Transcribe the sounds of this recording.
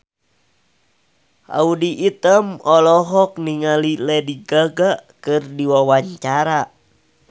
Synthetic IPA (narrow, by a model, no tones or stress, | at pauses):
ʔa̰udiʔːt̪əmɔlɔɦɔk̚niŋalilɛdiɡaɡaʔkɨrdiwawaɲt͡ʃaɾa